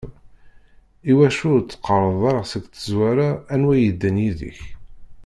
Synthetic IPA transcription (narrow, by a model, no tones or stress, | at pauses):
iwæʃʊɾt͡sːqːəɾˤəðˤɑɾəʁsəɡt̪əzwæɾaːnwæjəd̪ːənjiðḭç